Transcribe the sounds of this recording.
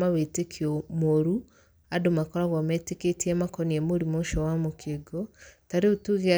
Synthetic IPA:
awetekʰiɔmoɾu | adomakɔɾaβɔmɛteketiɛmakɔniɛmoɾimoʃɔwamokʰeɡotaɾeotuɣe

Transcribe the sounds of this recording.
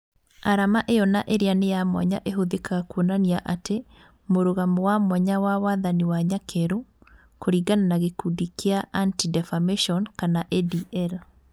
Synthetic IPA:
aɾamaʔejɔnaʔeɾeanejamwa̰ɲaʔeɦoðekaɣakuonaniaʔatʰe | moɾoɣamɔwamwaɲawawaðaniwaɲakʰɛɾo | koɾiːɡananaɣekudikeaʔantidɛfameʃɔnkanaʔɛdiʔɛl

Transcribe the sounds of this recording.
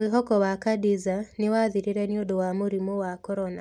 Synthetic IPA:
eɦɔkɔwakadizanɪwaðiɾeɾɛniodowamoɾimowakɔɾɔna

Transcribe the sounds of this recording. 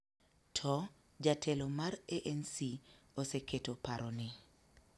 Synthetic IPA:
tʰɔ | d͡ʒatʰɛlomareʔɛnsioseketopaɾonɪ

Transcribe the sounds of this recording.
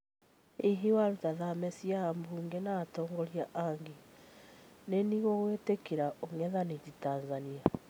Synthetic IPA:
iɦiwaɾutaðamɛsiaambuːŋɡenaːtɔːŋɡɔɾiaʔaŋɡe | neniɣoɣwetekeɾaʔoŋɛðanetitaːnzania

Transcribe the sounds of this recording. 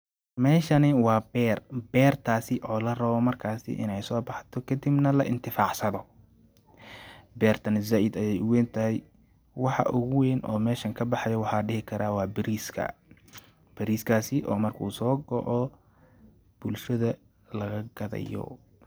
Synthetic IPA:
mɛːʃɐnɪwɑːbɛːrbɛːrt̪ʰaːsɪʔɔːlɐrɐβɔmɐrkʰaːsɪ̰ʔɪ̰nɛjsɔːbɑħt̪ʰɔkʰɐd̪ibnɐlɐ̰ʔɪnt̪ʰɪfaːʕsɐðɔ | bɛːrt̪ʰɐnzɐʔɪd̪ɐjɛjʊwɛːnt̪ʰɐɦɛj | wɑħɑ̰ʔʊɣʊwɛːnʔɔːmɛːʃɐŋkʰɐbɑħɑjɐwɑħɑɖɪhɪkʰɐɾaːwɑːbɪɾiskʰɐ̰ | b̥ɐɾiːskʰaːsɪʔɔːmɐrkʰṵːsɔːɡɔʕɔ | b̥ʊlʃɐðɐ | lɐɣɐɡɐðɐ̰jɔ̰

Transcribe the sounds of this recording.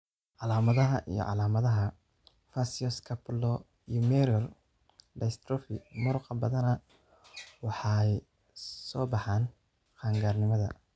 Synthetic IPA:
ʕɑlaːmɐðɐɦɐʔḭjɔ̰ʕɑ̰laːmɐðɐɦɐ | fasiɔskʰɐplɔ | ijɔmɛɾɔl | ɖɐjst̪ɾɔfimʊɾʊqɑbɐðɐnɐ | wɑħɑj | sɔːbɑħɑːn | qɑːŋɡaːrnɪmɐðɐ̰

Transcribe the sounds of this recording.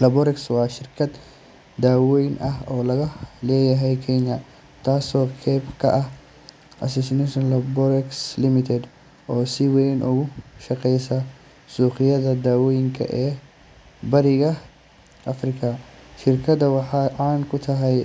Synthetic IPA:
lɐbɔɾɛkswɑːʃɪrkʰɐd̪ | d̪aːwɛjnʔɐɦɔːlɐɣɐlɛːjɐɦɛjkʰɛɲɐ | t̪ʰaːsɔːkʰɛbkʰɐ̰ʔɐh | ʔɐ̰sɛsɪnɛʃɔnlɐbɔɾɛkslɪmɪt̪ʰɛd̪ | ʔɔːsɪwɛjnʔʊɣʊʃɐqɛjsɐ | suːqɪjɐðɐd̪aːwɔjɪŋkʰɐ̰ʔɛː | bɐɾɪɣɐ | ʔɐfrɪkʰɐʃɪrkʰɐd̪ɐwɑħɑːʕɑːnkʰʊt̪ʰɐɦɛj

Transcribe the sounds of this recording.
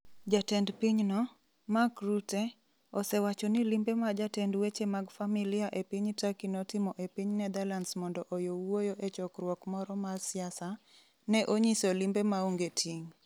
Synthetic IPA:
d͡ʒatɛndpiɲnɔ | makɾute | osɛwat͡ʃɔnilimbemad͡ʒatɛndwet͡ʃemaɡfamilijaʔepiɲtakinɔtɪmɔʔepiɲnɛd̪alansmɔndɔʔojowojoʔet͡ʃɔkrwɔkmɔɾɔmarsɪasa | nɛʔoɲisolimbemaoŋɡetʰiŋ

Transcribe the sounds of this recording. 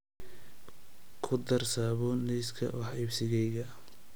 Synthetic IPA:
kʰʊd̪ɐrsaːβɔnɛskʰɐ̰wɑħibsɪɣɛjɣɐ

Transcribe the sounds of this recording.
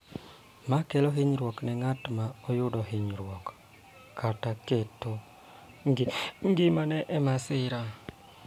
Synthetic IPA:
makɛlɔɦɪɲɾwɔknɛŋatmaɔjʊdɔɦɪɲɾwɔk | kʰːataketo | ɡŋɡɪmanɛʔɛmasɪɾa

